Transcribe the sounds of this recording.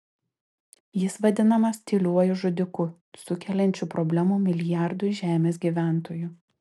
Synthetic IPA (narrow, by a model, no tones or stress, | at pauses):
jɪsʋɐd̪ʲɪnɐmɐst̪ʲiːlʲuɔjʊʒʊd̪ʲɪkʊ | sʊkʲɛlʲɛnʲt͡ʃʲuːpɾɔbʲlʲæmuːmʲɪlʲɪjæˑɾd̪ʊʒʲæːmʲeːs̬ɡʲiːʋʲæˑnt̪oːjʊ